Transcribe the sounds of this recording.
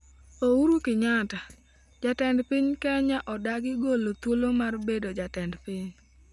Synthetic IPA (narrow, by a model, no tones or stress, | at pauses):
ouɾukɪɲata | d͡ʒatɛndpɪɲkɛɲaʔɔdaɡɪɡolot̪wolomarbedod͡ʒatɛndpɪɲ